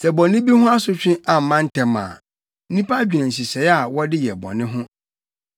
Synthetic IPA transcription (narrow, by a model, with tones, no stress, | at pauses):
sɛ˨bɔ̃˨nɪ̃˦bi˦hʊ̃˦a˦sʊ˦t͡ɕᶣɪ̃˦a˨m̩˨mã˦n̩˦tʰɛ˨mã̰ː˨ | n̩˦nĩ˦pa˦d͡ʑᶣi˨nã˨n̩˨s̬i˨sɛ˨˦ja˨wɔ˦dɪ˦jɛ˨bɔ̰˨nɪ̃˦ɦʊ̃˦